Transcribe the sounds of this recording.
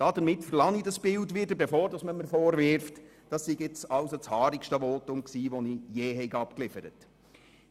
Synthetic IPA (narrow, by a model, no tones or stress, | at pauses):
d̥ɑːdəɾmɪtfəɾlɑŋidɑsb̥ɪldʋɪdəɾbefoːɾdɑsməməɾfɔːɾʋɪɾft | d̥ɑssiɡɪt͡sɑwsot͡shɑːɾikʃtəʋɔːtʊmksiːʋɔnijeːɦɛjɡɑpklɪfəɾət